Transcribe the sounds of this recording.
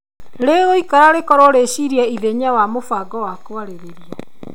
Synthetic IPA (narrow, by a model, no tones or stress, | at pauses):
ɾeɣoikaɾaɾekɔɾoɾeɕiɾjaiðeɲawamofaɡɔwakwaɾeɾeɾiɔ